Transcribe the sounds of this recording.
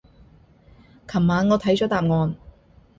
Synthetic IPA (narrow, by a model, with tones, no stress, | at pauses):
kʰɐ˨˩mːaː˨˧nŋɔː˨˧t̪ʰɐ˨˥jt͡ʃɔː˨˥t̪aː˨mŋɔː˨˧n